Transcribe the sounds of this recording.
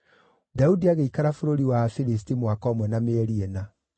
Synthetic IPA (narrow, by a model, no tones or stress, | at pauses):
daudiaɣeikaɾafoɾoɾiwafiɾistimwakɔːmwɛnameɛɾiɛna